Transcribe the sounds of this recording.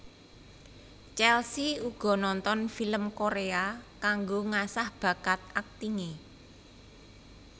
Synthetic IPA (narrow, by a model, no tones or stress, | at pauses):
t͡ʃɛlsiuɡ̥ɔ̤nɔnt̪ɔnfiləmkoɾeakaŋɡoŋasahb̥ä̤ɡat̪̚ak̚t̪iŋe